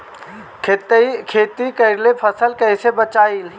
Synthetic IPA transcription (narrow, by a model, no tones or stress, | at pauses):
kʰeːt̪ikɐɪɾlepʰəsəlkɛɪsebət͡ʃaːil